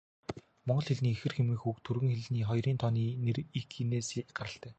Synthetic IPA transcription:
mɔɴɢɞ̆ɮxeɮniːexɘ̆rxemɘ̆xukt̪ʰurɣɘ̆ŋxeɮniːχɔjriːnt̪ʰɔniːnerikːineːsiːɢaɾə̆ɬt̪æː

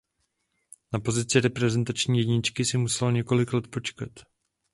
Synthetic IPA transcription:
napo̞zɪt͡sɪɾɛpɾɛzɛnt̪at͡ʃɲiːjɛɟɲɪt͡ʃkɪsɪmusɛloɲɛko̞lɪklɛt̪po̞t͡ʃkat̪

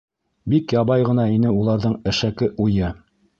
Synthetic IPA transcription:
bikjɑβɑjʁɤ̆nɑinɘulˠɑɾðɤɴɘ̆ʃækɘʔujɤ

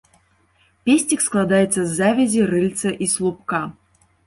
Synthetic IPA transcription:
pʲesʲtʲiksklˠad̪ajɛt̪sɐzːavʲɐzʲirɨlʲt̪sɐʔislˠup̚ka

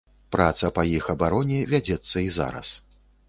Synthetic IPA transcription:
pɾat̪sɐpɐjixɐbaɾɔnʲɛvʲad͡zʲɛt̪sːɐiza̰ɾɐ̰s

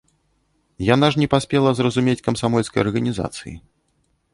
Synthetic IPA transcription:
jan̪aʐnʲɛpasʲpʲɛlˠɐzrɐzumʲet͡sʲkɐmsamɔlʲskɐjɐ̰rɣɐnʲiza̰t̪sɨ̰jḭ

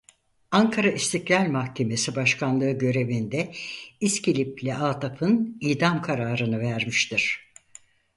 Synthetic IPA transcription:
aŋkʰaɾaist̪ʰiclʲalʲmahcʰe̞me̞sibaʃkʰanlˠɯɯɟø̞ɾe̞vind̪ɛiscilʲiplʲɛʔaːt̪ʰapʰɯniːd̪amkʰaɾaːɾɯnɯvæɾmiʃt̪iɾ̝̥

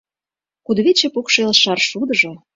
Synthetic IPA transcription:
kud̪βet͡ɕĕpukʃelʃɑrʃud̪ə̆ʒo̽

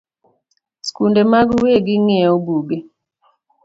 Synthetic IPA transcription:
skundemaɡuweɡiŋɛobuɡe

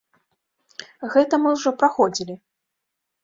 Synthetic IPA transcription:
ɣɛt̪ɐmɨwʐɔpɾaxɔd͡zʲilʲi

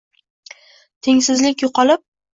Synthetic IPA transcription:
t̪ʰe̞ŋsɪzlɪkʲjoqʰɒlɪp̚

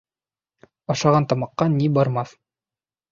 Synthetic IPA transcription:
ɑʃɑʁɑnt̪ɑmɑqːɑnibɑɾmɑθ

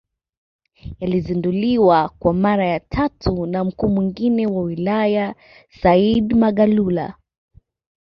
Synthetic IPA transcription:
jalizinduliwakwamaɾajatʰatʰunam̩kuːmwiŋɡinɛwawilaja | saidmaɠalula̰

